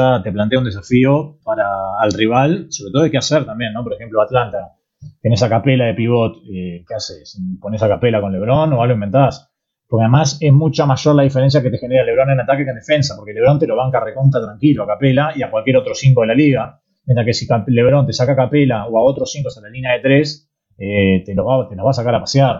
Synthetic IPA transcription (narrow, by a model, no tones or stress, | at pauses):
at̪e̞plant̪eaund̪e̞s̬afio̞paɾaːlriβalso̞βɾet̪ooekeaseɾt̪ambje̞nːo̞p̬o̞ɾexe̞mploat̪lant̪a | t̪enesakapelaðe̞piβo̞t̪̚ekeasesipo̞nesakapelako̞nle̞β̞ɾo̞noβaloĩmbe̞nt̪as | poɾkeaðemase̞smut͡ʃamaʒo̞ɾlaðifeɾe̞ns̬jaket̪exeneɾale̞βɾo̞nenat̪akekond̪e̞fe̞nsapo̞ɾkele̞ɾo̞nt̪eloβaŋkarekunt̪at̪ɾaŋkiloakapelaiakwalkjeɾot̪ɾosiŋkoelaliɣa | mjẽnt̪ɾakesikaleβɾo̞nt̪e̞sakakapelaoaot̪ɾosiŋkost̪alalinjaðet̪ɾes | et̪enoβat̪enoβas̬akaɾapasjaɾ